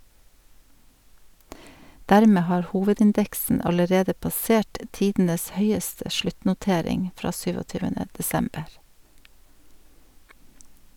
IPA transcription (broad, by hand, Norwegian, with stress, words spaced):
ˈdæɾˌmeː ˈhɑːɾ ˈhuːʋədɪnˌdɛksn̩ ɑləˈɾeːdə pɑˈseːʈ ə ˈtiːdn̩əs ˈhœʏəstə ˈʃɭʉtnʊˌteːɾɪŋ ˈfɾɑː ˈsyːʋɔˌtyːʋənə dɛˈsɛmbəɾ